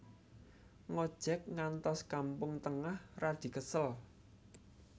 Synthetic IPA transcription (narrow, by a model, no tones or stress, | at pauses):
ŋɔd̥ʒ̥ɛk̚ŋant̪ɔskampʊŋt̪əŋahrad̪̥i̤kəsəl